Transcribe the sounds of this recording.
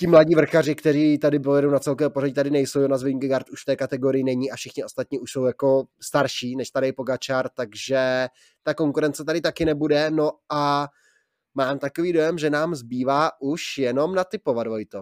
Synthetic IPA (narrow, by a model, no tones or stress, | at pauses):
cɪmlaɟiːvr̩xarɪkt̪ɛɾiːt̪adɪpojɛdownat͡sɛlkovɛːpo̞raɟɪt̪adɪnɛjsowjonazvɛimŋɡɪɡaɾt̪uʃft̪ɛːkat̪ɛɡo̞ɾɪjɪnɛɲiːafʃɪxɲɪʔo̞st̪at̪ɲiuʃso̞wjako̞st̪aɾʃiːnɛʃt̪aɾɪjpo̞ɡat͡ʃaɾt̪aɡʒɛ | t̪ako̞ŋkuɾɛnt͡sɛt̪adɪt̪akɪnɛbudɛno̞a | maːmt̪ako̞viːdo̞jɛmʒɛnaːmzbiːvaːʔuʃjɛno̞mnat̪ɪpo̞vadvojt̪o